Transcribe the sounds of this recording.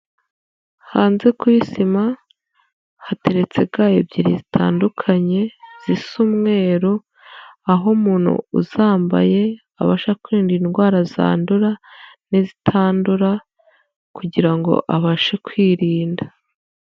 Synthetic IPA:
haːnze̞kwisima | hate̞ɾe̞t͡se̞ɡaːjo̰bɟiɾizitʰa̰ːndukʰaɲe̞z̥isuːmŋe̞ːɾo | aɦomuːn̥hṵṵzaːmba̰je̞ | a̰βaʃakwiːndinɡwaːɾaza̰ːnduɾanizitʰaːnduɾa | kuɟiɾaŋɡo̞̰ʔaβaʃekwiːɾiːnda

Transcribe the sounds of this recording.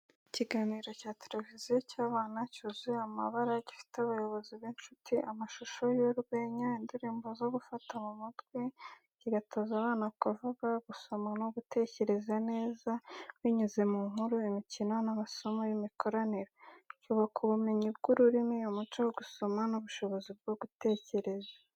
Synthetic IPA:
iciɡaːniːɾo̞caːtele̞vizijocaːβaːnacuziamaβaɾaɟifi̥teaβajo̞βo̞ziβeːnt͡ʃutʰiʔamaʃuʃo̞joɾwe̞ːɲaindiɾiːmbozo̞ɡufatamumadɡwe | ciɡatʰoːzaβaːnakavuɡaɡuso̞manoɡute̞ːce̞ɾe̞zane̞ːzawiɲuze̞muːŋuɾuimicino̞naβaso̞mojimikʰo̞ɾaneɾocuːβakʰuβume̞ɲib̚ɡuɾuɾimiomut͡ʃowoɡuso̞manuβuʃo̞βo̞zib̚ɡoɡute̞ːce̞ɾe̞za

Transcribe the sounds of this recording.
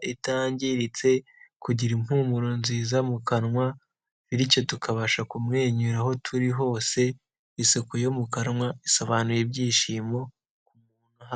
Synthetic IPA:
itaːɲɟiɾit͡se̞ | kuɟiɾimhuːmuɾonziːzamukanŋwa | βiɾico̞tukʰaβaʃakumŋe̞ːɲuɾaho̞tʰuɾiɦo̞ːse̞ | iso̞kojo̞mukaɾŋwaiso̞βaːnujebɟiːʃiːmo̞ | kumuuːnuɦa

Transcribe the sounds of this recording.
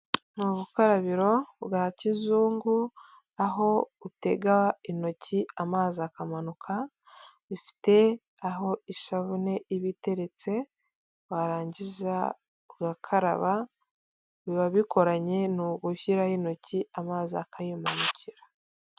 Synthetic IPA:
nuβukaɾaβiɾo̞βɡaːcizuːŋɡu | aɦo̞ute̞ɡaino̞cʰiamaːzakamanukʰa | βifi̥te̞ | aɦo̞iʃaβune̞iβite̞ɾe̞t͡se̞ | waɾaːɲɟiza̰ | ɡakʰaɾa̰βa | βiβaβikʰo̞ɾaɲe̞nuɡuhiɾaino̞ciamaːziakajumanuciɾḁ

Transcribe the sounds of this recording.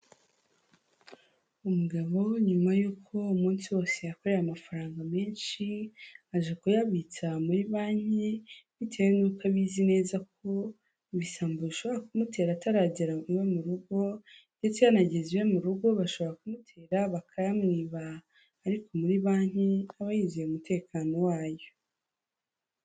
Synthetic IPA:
umuɡaβo̞ɲumajuːkʰo̞umuːnsiwo̞ːse̞jako̞ɾeɾamafaɾaːŋɡame̞ːnʃiaʒekujaβit͡samuɾiβaːɲ̥iβitʰewenuːkaβizine̞ːzak̚ʰo̞ | βisaːmbuβiʃo̞βoɾakumutʰe̞ːɾataɾaːɟiɾauwemuɾuɡo̞nde̞t͡seβanaɟe̞ziwe̞muɾuɡo̞βaʃo̞βoɾakumutʰe̞ːɾaβakʰajamŋiːβaː | ɾikʰo̞muɾiβaːɲ̥iaβajizieumute̞ːkaːno̞waːjo̞

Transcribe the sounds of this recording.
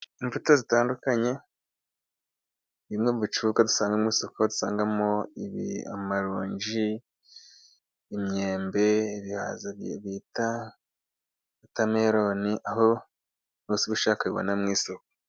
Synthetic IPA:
iɱvutazitaːndukaɲe̞ | βimŋeuβut͡ʃukadusaːŋɡamŋiːsokodu̥saːŋɡamoiβḭa̰maɾuːɲd͡ʒi | imɲe̞ːmbe̞iβiha̰zaβita | βutameɾo̞niʔaɦo | nusiβuʃaːkaβiβo̰namŋiːsoko̥

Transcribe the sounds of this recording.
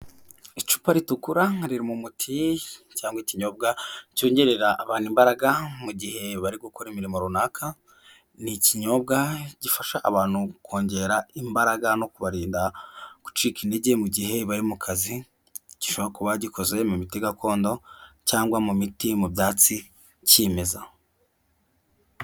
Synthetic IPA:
it͡ʃu̥paɾitukuɾaɾiɾimumutʰicaːŋɡwiciɲo̞b̚ɡacoːɲɟeɾeɾaʔːβaːnimbaɾaɡamuɟihe̞βaɾiɡokoɾimiɾimoɾunakʰa | niciɲo̞b̚ɡaɟ̥ifaʃaʔaβaːn̥hukʰo̞ːɲɟe̞ɾaimbaɾaɡano̞kuβaɾiːndaku̥t͡ʃiːkineɟe̞muɟiɦe̞βaɾimukʰazi | ɟ̥iʃoβɾakuβaɟikʰo̞ze̞mumitiɡako̞ːndo̞caːŋɡwamumitimubjaːt͡si | ceːme̞za

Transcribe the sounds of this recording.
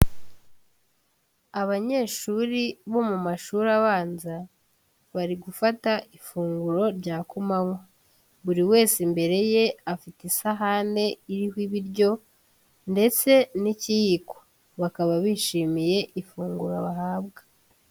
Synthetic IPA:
aβaɲe̞ːʃuːɾiβo̞mumaʃuːɾaβaːnza | βaɾiɡufataʔifuːŋɡuɾo̞ɾɟaːkumaŋwo | βuɾiwe̞ːsimbe̞ɾe̞je̞afitisaɦaːnde̞iɾihwiβiɾɟo̞ | nde̞t͡se̞nicijiko̥ | βakaβaβiːʃiːmije̞ʔifuːŋɡuɾaβaɦaːβɡḁ

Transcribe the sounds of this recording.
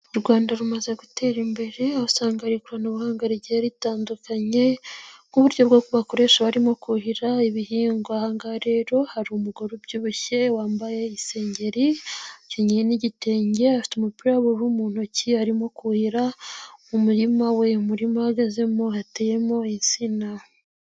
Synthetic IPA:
uɾɡwaːndaɾumazeɡute̞ɾimbe̞ɾe̞ausaːŋɡaɾikuɾanoβuhaːŋɡaɾiɟejaɾitaːndukaɲe̞ŋ̥uβuɾɟo̞bɡokuβakoɾe̞ːʃaβaɾimo̞kuhiɾaiβiɦiːŋɡoahaŋɡaɾe̞ːɾo̞haɾiumuɡoɾobɟuːβuçe̞waːmbaje̞ise̞ːɲɟe̞ɾiceɲejeniɟite̞ːɲɟe̞afi̥tumupiɾaβuɾumuːn̥ociaɾimo̞kuhiɾaumuɾimawe̞muɾimahaɡaze̞mohateːje̞mo̞insina

